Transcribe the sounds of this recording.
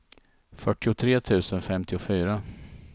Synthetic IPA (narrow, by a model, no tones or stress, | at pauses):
fœʈːɪʊt̪ʰɾeːt̪ʰʉ̟ːsənfɛmt̪ɪʊfyːɾa